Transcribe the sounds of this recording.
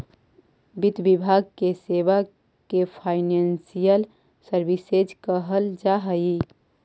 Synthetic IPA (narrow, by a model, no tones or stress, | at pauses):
bit̪bibʱaɡ̚keseba | kepʰaɪnensijəl | səɾbised͡ʒkəɦəld͡ʒaɦəi